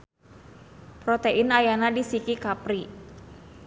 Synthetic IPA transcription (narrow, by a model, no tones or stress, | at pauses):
pɾɔt̪eʔɪnajanadisikikapɾi